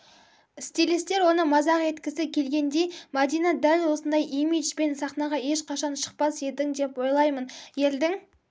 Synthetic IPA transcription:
st̪ilist̪e̞ɾwo̞nəmɑzɑqje̞t̪kʲɪsɪkʲʰe̞lɡʲe̞nd̪e̞jmad̪ijnɑd̪ælwo̞sənd̪ɑjʔimiʒpe̞nsɑχnɑʁɑe̞ʃqʰɑʃɑnʃə̥q̚pɑsje̞ld̪ɪŋd̪e̞pwo̞jlˠɑjmənje̞ld̪ɪŋ

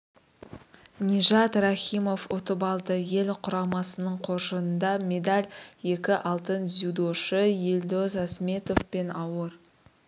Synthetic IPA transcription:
nʲiʒɑt̪raχʲimo̞fot̪əbɑlˠd̪əje̞lqʰʊɾɑmɑsənəɴqʰo̞ɾʒəənd̪ɑmʲe̞d̪alʲje̞kʲɪʔɑlˠt̪ənzud̪oʃəjelʲd̪ozasme̞t̪o̞fpe̞nɑwəɾ

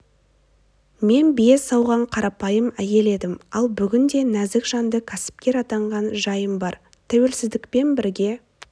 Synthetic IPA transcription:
me̞nbje̞sɑwʁɑɴqʰɑɾɑpɑjəmæje̞le̞d̪ɪmɑlˠbʏɡʲɪnd̪e̞næzɪkʒ̥ɑnd̪əkʲʰæsɪ̥p̚kʲe̞ɾɑt̪ɑɴʁɑnʒɑjəmbɑɾ | t̪ʰæwe̞lsɪzd̪ɪkpe̞nbɪɾɡʲe̞

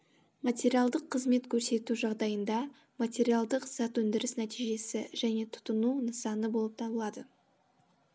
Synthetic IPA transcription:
mat̪ʲeɾijalˠd̪əqʰːəzme̞t̪kʲʰɵɾse̞t̪uʒɑʁd̪ɑjənd̪ɑ | mat̪ʲe̞ɾijalˠd̪əqsɑt̪wɵnd̪ɪɾɪsnæt̪ijʒe̞sɪʒæne̞t̪ʰʊ̥t̪ənunəsɑnəbo̞lˠəp̚t̪ʰɑbəlˠɑd̪ə

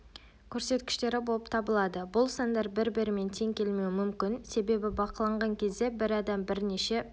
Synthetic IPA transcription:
kʲʰɵɾse̞t̪̚kʲɪ̥ʃt̪e̞ɾɪbo̞lˠəpt̪ʰɑbəlˠɑd̪əbʊlˠsɑnd̪ɑɾbɪɾbɪɾɪme̞nt̪ʰe̞ŋkʲʰe̞lme̞wɪmʏmkʲɪnse̞be̞bɪbɑqəlˠɑɴʁɑŋkʲʰe̞zd̪e̞bɪɾɑd̪ɑmbɪɾneʃe̞

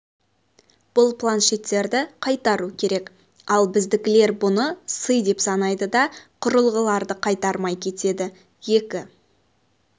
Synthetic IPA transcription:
b̥ʊlˠplˠanʃe̞t̪ːe̞ɾd̪ɪqʰɑjt̪ɑɾukʲʰe̞ɾe̞k | ɑlˠbɪzd̪ɪkʲɪle̞ɾbʊnəsəjd̪e̞psɑnɑjd̪əd̪ɑqʰʊɾəlˠʁəlˠɑɾd̪əqʰɑjt̪ɑɾmɑjkʲʰe̞t̪e̞d̪ɪ | je̞kʲɪ

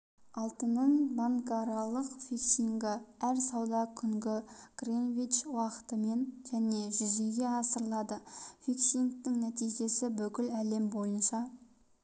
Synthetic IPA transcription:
ɑlˠt̪ənːəɴbaŋkaɾɑlˠəqfiksiŋɡɪæɾsɑwd̪ɑkʲʰʏŋɡʲɪɡ̥renvij̪t͡ʃwɑqə̥t̪əme̞nʒ̥æne̞ʒʏzeɡʲe̞ɑsəɾlˠɑd̪əfʲiksiŋk̚t̪ɪŋnæt̪ijʒe̞sɪbʏkʲɪlæle̞mbo̞jənʃɑ

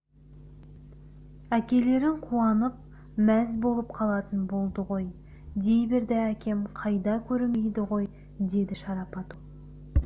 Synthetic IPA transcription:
ækʲe̞le̞ɾɪɴqʰuɑnəp̚ | mæzbo̞lˠəpqʰɑlˠɑt̪ənbo̞lˠd̪əʁo̞j | d̪e̞jbɪɾd̪eækʲe̞mqʰɑjd̪ɑkʲʰɵɾme̞jd̪ɪʁo̞j | d̪e̞d̪ɪʃɑɾɑpɑt̪u

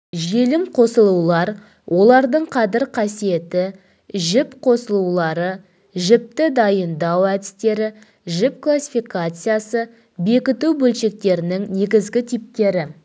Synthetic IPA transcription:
ʒe̞lɪmqʰo̞səlˠuwlˠɑɾ | wʔo̞lˠɑɾd̪əɴqʰɑd̪ɪɾqʰɑsije̞t̪ɪ | ʒɪpqʰo̞səlˠulˠɑɾə | ʒɪp̚t̪ɪd̪ɑjənd̪ɑwæd̪ɪst̪e̞ɾɪ | ʒɪp̚klˠasʲːi̥fijkat̪sɨjasə | be̞kʲɪt̪uwbɵlʃe̞k̚t̪e̞ɾɪnɪŋne̞ɡʲɪzɡʲɪt̪ʰijp̚t̪e̞ɾɪ

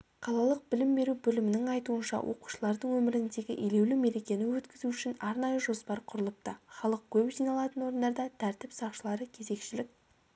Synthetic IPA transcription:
qʰɑlˠɑlˠəq̚bɪlɪmbe̞ɾubɵlɪmɪnɪŋɑjt̪uənʃɑ̰wʔo̞̰qu̥ʃəlˠɑɾd̪əɴwɵmɪɾɪnd̪e̞ɡʲɪʔele̞wlume̞ɾe̞kʲe̞nɪwɵt̪kʲɪzuʏʃɪnɑɾnɑjəʒo̞spɑɾqʰʊɾəlˠəp̚t̪əχɑlˠəq̚kʲʰɵpʒijnɑlˠɑt̪ənwo̞ɾənd̪ɑɾd̪ɑt̪ʰæɾt̪ɪpsɑqʃəlˠɑɾəkʲʰe̞ze̞kʃɪlɪk̚ʲ

